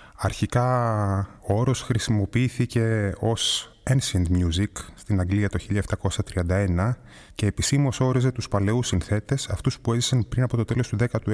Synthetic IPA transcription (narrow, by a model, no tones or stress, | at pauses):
ɐɾçikɐ | o̞ɾo̞sxɾisimo̞piiθice̞o̞s | ensɐnd̪mjuzikst̪inɐŋɡliɐt̪o̞çiʎɐeft̪ɐko̞sɐt̪ɾiɐnd̪ɐenɐ | ce̞ːpisimuoso̞ɾize̞t̪uspɐle̞usinθe̞t̪e̞sɐft̪uspue̞zisɐnpɾinɐpo̞t̪o̞t̪e̞lo̞st̪uðe̞kɐt̪u